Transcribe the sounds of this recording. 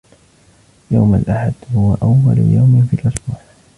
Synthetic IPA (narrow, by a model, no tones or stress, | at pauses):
jawmalʔaħad̪hʊwaʔawːa̰l̰jawmɪnfiːlʔʊsbuːħ